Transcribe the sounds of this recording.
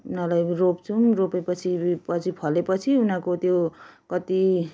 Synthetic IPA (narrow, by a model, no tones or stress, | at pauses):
unalajropt͡sʰunropepʌt͡sʰipʌt͡sʰipʰʌlepʌt͡sʰiunakot̪jokʌt̪i